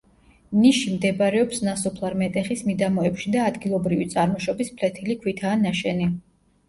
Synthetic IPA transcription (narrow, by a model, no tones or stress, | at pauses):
niʃimd̪ɛbaɾɛɔpsnasɔpʰlˠaɾmɛt̪ʼɛχismid̪amɔɛpʃid̪aːd̪ɡilˠɔbɾivit̪sʼaɾmɔʃɔbispʰlɛt̪ʰilikʰwit̪ʰaːnaʃɛni